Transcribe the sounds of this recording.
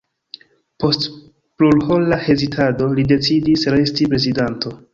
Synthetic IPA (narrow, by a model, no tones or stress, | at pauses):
po̞st | plulholːahe̞zitʰado̞lide̞t͡sidisɾe̞stipɾe̞zidanto̞